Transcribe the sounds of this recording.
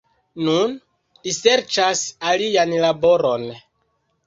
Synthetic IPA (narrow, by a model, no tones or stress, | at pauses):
nun | lise̞ɾt͡ʃasalianlabo̞ɾo̞n